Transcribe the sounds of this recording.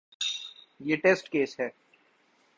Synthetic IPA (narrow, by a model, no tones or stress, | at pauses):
jeːʈeːsʈkeːsɦɛː